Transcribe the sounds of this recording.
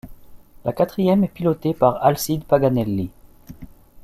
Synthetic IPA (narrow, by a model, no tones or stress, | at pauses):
lakat̪χijɛmɛpilɔt̪epaʁalsid̪paɡanɛlːi